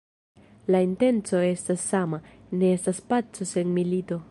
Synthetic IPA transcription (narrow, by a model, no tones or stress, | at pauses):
lainte̞nt͡so̞e̞stasːama | ne̞estaspat͡sose̞nmilito̞